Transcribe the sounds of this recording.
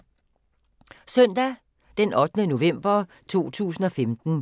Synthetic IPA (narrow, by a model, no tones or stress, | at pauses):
sœn̰d̥æ | d̥enʔɒ̽d̥ənəno̝ʋem̰b̥ɐ | t͡sʰo̝̰ːt͡sʰṵːs̬n̩ɒ̽femd̥n̩